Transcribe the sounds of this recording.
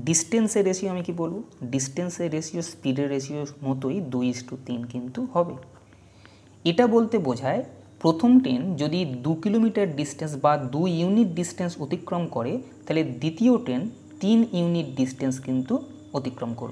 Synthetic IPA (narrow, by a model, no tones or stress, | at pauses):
ɖisʈenseɾːeʃioamikibolboɖisʈenseɾːeʃiospiɖeɾːeʃioɾmɔt̪ojd̪ujisʈut̪inkint̪uhɔbḛ | eʈabolt̪ebod͡ʑʱae | pɾot̪ʰomʈend͡ʑod̪id̪ukilomiʈaɾɖisʈens̬bad̪uuniʈ̚ɖisʈensot̪ikːɾomkɔɾet̪aɦeled̪it̪ioʈen | t̪iniuniʈ̚ɖisʈenskint̪u | ot̪ikɾomko̰ɾo̰